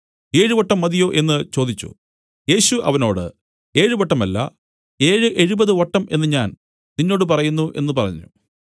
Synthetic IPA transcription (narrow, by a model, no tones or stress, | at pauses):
e̞ːɻɨʋɐʈːɐmːɐðijo̞ːʔe̞nːɨt͡ɕo̞ːd̪it͡ɕːṵ | je̞ːɕuʔɐ̰ʋɐno̞ːɽɨ | e̞ːɻɨʋɐʈːɐmɐlːɐ̰ | e̞ːɻɨʔe̞ɻubɐðɨʋɐʈːɐme̞nːɨɲaːn | ninːo̞ːɽɨpɐrɐjunːuʔe̞̰nːɨpɐrɐɲːṵ